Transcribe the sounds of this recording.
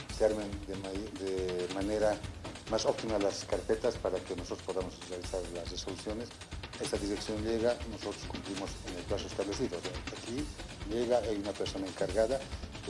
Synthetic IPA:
seaɾmend̪emad̪emane̞ɾamasopt̪imalaskaɾpe̞t̪aspaɾakenoso̞t̪ɾospoðamosrealisaɾlasresolusjo̞nes | e̞saðiɾeksjo̞nʎe̞ɣanoso̞t̪ɾoskumpɾimosenelpɾasoest̪aβle̞siðoseaki | ʎeɣaajunapeɾso̞naeŋkaɾɣaða

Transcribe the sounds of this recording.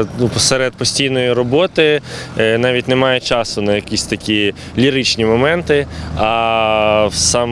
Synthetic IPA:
nupsɛɾɛd̪̚pɔsʲtʲijnɔjʊɾɔbɔt̪ɪnɑʋʲitʲnemɑjɛt͡ʃɑsʊnɐjɐkʲisʲt̪ɐkʲi | lʲiɾɪt͡ʃnʲimɔmɛnt̪ɪɐ | wsɑm

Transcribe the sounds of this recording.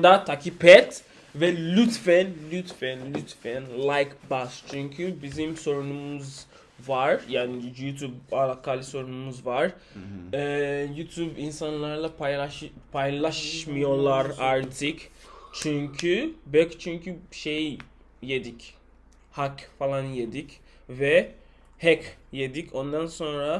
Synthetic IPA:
d̪at̪ʰakʰipʰɛt̪ | vɛlʲyt̪fɛnlʲyt̪fɛnlʲyt̪fɛnlˠajkbast͡ʃʰyɲcʰybizimso̞ɾunumuz | vaɾjaːnijjut̪ʰjubaɾakʰalʲˠiso̞ɾunumuzvaɾ | ɛjut̪ʰjubinsanlˠaɾlˠapaapʰajlˠaʃmɯjo̞lˠaɾaɾt̪ʰɯkt͡ʃʰyɲcʰybɛct͡ʃʰyɲcʰyʃej | jed̪ic | hakfalˠanje̞d̪ic | vɛ | hɛkjed̪icʰo̞nd̪anso̞nɾa

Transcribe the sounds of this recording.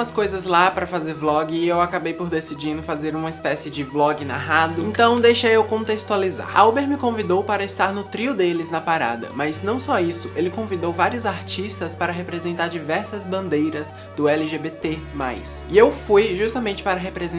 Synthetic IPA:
ɐskojzɐzlapɾɐfazeɾblɔɡɪewakabejpoɾd̪esid͡ʒĩnd̪ʊfazeɾũmɐispɛsɪd͡ʒɪblɔɡɪna̰ɦad̪ʊẽt̪ɐ̃w̃d̪ejʃejewkõt̪est̪ualiza̰ɾawbeɾmɪkõvid̪owpaɾɐɪst̪aɾnʊt̪ɾiʊd̪elɪznɐpaɾa̰d̪ɐ̰mɐznɐ̃w̃sɔisʊelɪkõvid̪owvaɾiʊzaɾt͡ʃist̪ɐspaɾɐɦepɾezẽnt̪aɾd͡ʒivɛɾsɐzbɐ̃nd̪ejɾɐz | d̪ʊɛlɪʒebet̪ema̰js | ɪewfujʒust̪ɐmẽnt͡ʃɪ̥paɾɐɦepɾez̃

